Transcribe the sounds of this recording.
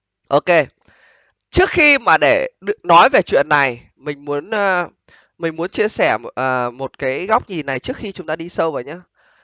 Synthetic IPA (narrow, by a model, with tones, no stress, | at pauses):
ʔo˧ke˧ | t͡ɕɨ˦˥ək̚xi˧maː˨˩ɗe˧˩ɗnɔ˨˦jve˨˩t͡ɕwḭ˧˨ənːa˨˩j | mï˨˩ŋ̟mu˨˦ənʔː | mï˨˩ŋ̟mu˨˦ənt͡ɕi˧əsɛ˧˩ʔəː˨˩mo˨˩t̚kaː˨˦jɣa˦˥wk͡p̚ɲi˨˩na˨˩jt͡ɕɨ˦˥ək̚xi˧t͡ɕʊ˨˦ŋ͡mt̪aː˧ɗi˧sə˧wvəː˨˩jɲaː˨˦